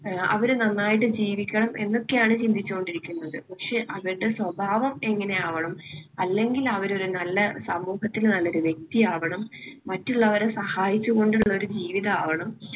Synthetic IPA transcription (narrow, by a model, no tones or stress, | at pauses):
ɐ̰ʋɐɾnɐnːaːjiʈ̬ːɨd͡ʑiːʋikʲːɐɳɐmʔe̞nːo̞kːe̞jaːɳɨt͡ɕind̪ʱit͡ɕːuɣo̞ɳɖiɾikʲːunːɐðɨpɐkʂe̞ʔɐʋiɾuɽe̞swɐbʱaːʋɐme̞ŋːɐne̞aːʋɐɳɐmɐlːe̞ŋɡilɐʋɐɾo̞ɾunɐlːɐsɐmːuːhɐt̪ːilnɐlːo̞ɾuʋje̞k̚t̪ijaːʋɐɳɐmːɐtːuɭːɐʋɐɾesɐhaːjit͡ɕːuɣo̞ɳɖuɭːɐo̞ɾud͡ʑiːʋiðɐaːʋɐɳɐm